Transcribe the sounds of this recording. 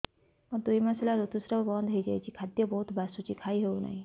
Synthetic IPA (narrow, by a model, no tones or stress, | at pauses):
ʌd̪ujmaslaɾut̪usɾʌbʌnd̪ʱɦejd͡ʒa̰jt͡ʃʰikʰad̪jʌbʌɦut̪basut͡ʃʰikʰaiɦewna̰j